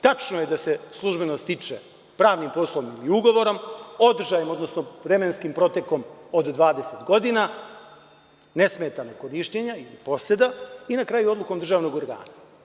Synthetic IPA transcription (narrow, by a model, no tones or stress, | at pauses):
t̪at͡ʂnoje̞d̪ase̞slˠuʒbe̞nost̪it͡ʂḛ | pɾaːʋnimposlˠoʋnimiuɡo̞ʋo̞ɾo̞mo̞d̪r̩ʒajemo̞d̪nosnovɾemenskimpɾo̞t̪e̞ko̞mod̪ːʋaːd̪eset̪ɡo̞d̪ina | ne̞smet̪anokoɾiʃɲeɲailipo̞sed̪ainakɾaːjuo̞d̪lˠuko̞md̪r̩ʒaːʋno̞ɡo̞ɾɡa̰ːna